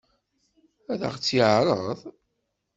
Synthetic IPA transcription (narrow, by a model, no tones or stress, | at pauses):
æðə̰ʁt͡sːiʕɾˤəðˤ